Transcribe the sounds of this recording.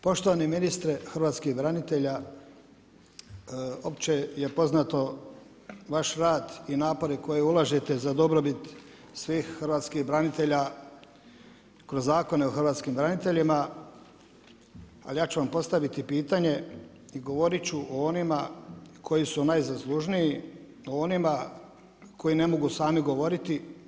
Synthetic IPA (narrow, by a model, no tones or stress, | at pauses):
po̞ʃt̪oʋaniminist̪ɾexərɾʋaːt̪skihbɾanit̪eʎa | o̞pt͡ɕe̞je̞po̞znat̪o̞ | ʋaʃɾaːd̪inaːpo̞ɾeko̞jeulˠaʒet̪e̞zad̪o̞bɾobit̪ | sʋiːxxrʋaːt̪skihbɾanit̪e̞ʎa | kɾo̞zːaːko̞neoxrɾʋaːt̪skimbɾanit̪e̞ʎima | a̰lijaːt͡ɕuʋampo̞st̪aʋit̪ipiːt̪aɲe̞ | iɡo̞ʋo̞ɾit͡ɕuʔoonimakʰo̞jisunajzaslˠuʒniji | oonima | kʰo̞jine̞mo̞ɡusaːmiɡo̞ʋo̞ɾit̪i